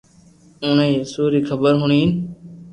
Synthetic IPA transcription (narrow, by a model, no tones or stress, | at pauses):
ʊneĩːsuːɾiːkʰəbəɾɦʊɳiːn